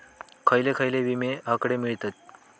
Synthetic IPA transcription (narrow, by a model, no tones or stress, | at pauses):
kʰajlekʰajleʋimeakɽemiɭt̪at̪̚